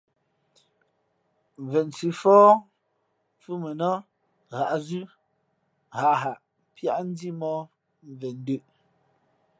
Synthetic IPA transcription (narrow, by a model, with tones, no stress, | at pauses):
mvɛ˨n˨t͡si˨fɔː˦ | fu˦me˨nɔ˦ | ɣa˨ʔzʉ˦ | ɣa˨ɦa˨ʔ | pja˦ʔn̩˦di˦mɔ˦ | m˨vɛ˨n˦dʉ˦˨ʔ